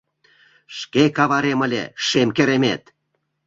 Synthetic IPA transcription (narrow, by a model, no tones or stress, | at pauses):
ʃkekɑβɑɾemə̆lʲḛʃemkĕɾemʲḛt̪